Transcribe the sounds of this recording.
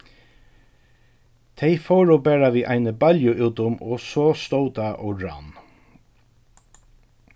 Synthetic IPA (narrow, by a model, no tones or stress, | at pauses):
t̪ʰejfɔwɹɔbæːɹaʋiːʔajnəbaljʊʔuːt̪ʊmɔsɔst̪owt̪aʔɔ̰ɹa̰n